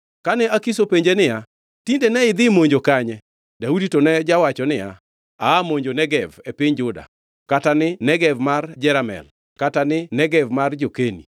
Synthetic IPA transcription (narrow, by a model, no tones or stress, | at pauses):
kanɛakisopeɲd͡ʒenɪja | tindenɛɪd̪ɪmoɲd͡ʒokaɲɛ | dauditonɛd͡ʒawat͡ʃɔnɪja̰ | aːmoɲd͡ʒonɛɡɛvɛpɪɲd͡ʒʊda̰ | katanɪnɛɡɛvmard͡ʒɛɾamɛ̰l | katanɪnɛɡɛvmard͡ʒokenḭ